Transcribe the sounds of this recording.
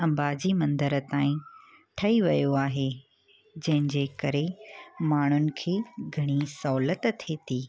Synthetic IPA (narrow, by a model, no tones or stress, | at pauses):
ɐ̃mbaːd͡ʑimɐ̃nd̪əɾə̆t̪aːĩ | ʈʰɐiʋɐjoaːɦe | d͡ʑɐ̃ɦɪ̃ɲd͡ʑekɐɾemaːɳ̤ʊnɪ̆kʰeːɡʱɐɽ̃isɐɦʊlət̪t̪ʰeːt̪iː